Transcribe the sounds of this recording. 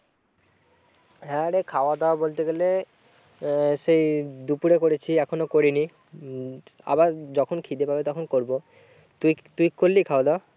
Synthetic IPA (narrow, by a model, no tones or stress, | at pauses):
ɦɛ̃aɾekʰaoad̪aobolt̪eɡele | ʃejd̪upuɾekoɾet͡ɕʰiɛkʰonokoɾini | a̰baɾd͡ʑɔkʰonkʰid̪epabet̪ɔkʰonkoɾbo | t̪ut̪uikkoɾːikʰaoad̪a